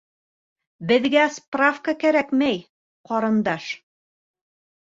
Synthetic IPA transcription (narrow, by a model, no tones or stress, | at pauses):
bɘ̆ðɡæsprafkəkæɾækmæj | qɒɾɤ̆nd̪ɑʃ